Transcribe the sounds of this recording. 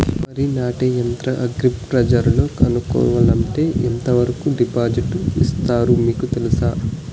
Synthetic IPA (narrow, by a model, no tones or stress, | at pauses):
mɐɾinaːʈejɐnt̪ɾɐʔɐɡɾippɾɐd͡ʒɐɾlo̞ːkɐnukɔ̰ːʋɐlɐɳʈe̞ːʔint̪ɐʋɐɾɐkuɖipaːd͡ʒiʈḭst̪aːɾumiːkut̪elusaː